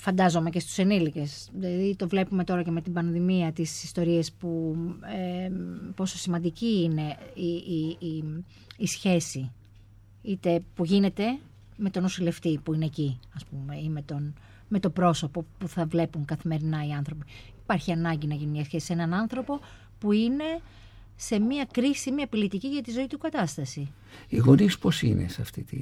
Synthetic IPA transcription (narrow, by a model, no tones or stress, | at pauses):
fɐnd̪ɐzo̞me̞ce̞st̪u̥se̞nilice̞s | ðilɐðit̪o̞vle̞pume̞t̪o̞ɾɐce̞me̞t̪ibɐnðimiɐt̪isist̪o̞ɾie̞spuepo̞so̞simɐnd̪iciːne̞i | sçe̞si | it̪e̞puʝine̞t̪e̞ | me̞t̪o̞nosile̞ft̪ipuine̞ːciɐspume̞ime̞t̪o̞n | me̞t̪o̞bɾo̞so̞po̞puθɐvle̞puŋkɐθime̞ɾinɐiɐnθɾo̞piipɐɾçiɐnɐɲɟinɐʝinumɲɐsçe̞sisenɐnɐnθɾo̞po̞ | puine̞ | se̞miɐkɾisimiɐpilit̪iciʝɐt̪izo̞it̪ukɐt̪ɐst̪ɐsi | iɣo̞nispo̞sḭnḛsɐ̰ft̪it̪ḭ